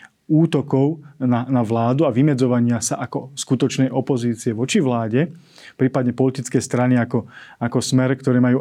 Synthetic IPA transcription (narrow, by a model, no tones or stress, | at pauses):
uːt̪ɔkɔʊnanaʋlaːd̪uaʋimɛd͡zɔʋaɲɪasaʔakɔskut̪ɔt͡ʃnɛjʔɔpɔziːt͡siɛʋɔt͡ʃiʋlaːɟɛ | pɾiːpad̪ɲɛpɔlit̪it͡skɛːst̪ɾaniakɔakɔsmɛɾkt̪ɔɾɛːmajuː